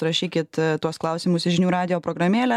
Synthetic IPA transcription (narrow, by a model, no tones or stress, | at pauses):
ɾɐʃʲiːkʲɪt̪t̪uɔsklˠɐʊsʲɪmʊsʒʲɪnʲuːɾɑːd̪ʲɪjoːpɾoːɡɾɐmʲeːlʲæ